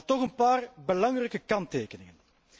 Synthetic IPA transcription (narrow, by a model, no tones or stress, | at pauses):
tɔxənpaːrbəlɑŋrɛjkəkɑnteːkənɪŋən